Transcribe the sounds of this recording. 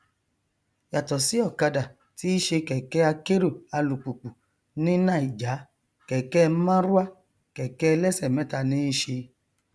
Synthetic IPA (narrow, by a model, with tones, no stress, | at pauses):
ja˨tɔ˨si˨˦ɔ˦˨ka˧da˨ | ti˨˦i˦ʃe˧kɛ˨kɛ˦a˧ke˦ɾu˦˨a˧lu˨k͡pu˨k͡pu˨ | nĩ˦nã˦˨i˨d͡ʒa˨˦ | kɛ˨kɛ˦˧˦mã˦ɾu˦a˦ | kɛ˨kɛ˦˧lɛ˦sɛ˦˨mɛ̃˨˦ta˧nĩ˦i˦ʃe˧